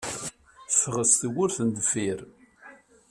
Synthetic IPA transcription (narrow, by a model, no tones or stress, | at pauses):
θfʁəst̪əwʊɾθənd̪fiɾ